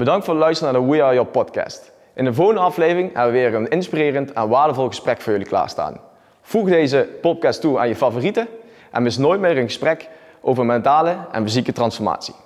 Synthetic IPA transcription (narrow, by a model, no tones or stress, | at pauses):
b̥ədɑŋktfʊːɹdəlœɥstənaːdəwiajɔpɔtkɛ̰ːst | ʔɪndəvoːɣəndəɑflejvrɪŋɛ̰bəʋəʋɪːrənɪnspirɪːrəntɛnʋaːɹdəvɔlˠɣəsprɛkfʊːɹjɵlikla̰ːɹsta̰ːn | v̥uɣdejzəpɔt̚kɛstua̰ːnjəfavoːritə | ʔɛ̰nmɪsnoːjtmɪːrənɣəsprɛk | ʔowvərmɛntaːləɛ̰nfizikətrɑnsfɔɹma̰ːtsi̥